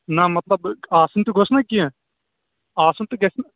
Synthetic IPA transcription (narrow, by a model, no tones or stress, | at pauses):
nɐmɐt̪lɐbaːsɐnt̪uɡʱosnakĩɛ̃ | aːsɐnt̪uɡɐsn